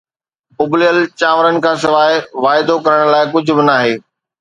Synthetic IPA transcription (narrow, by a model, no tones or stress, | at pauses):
ʊblɪjəlt͡ɕaːʋɾənɪ̆kʰãːsɪʋaːɦɪʋaːɪd̪okɐɾəɽ̃laːɪkʊd͡ʑʱʊ̆bɪnaːɦeː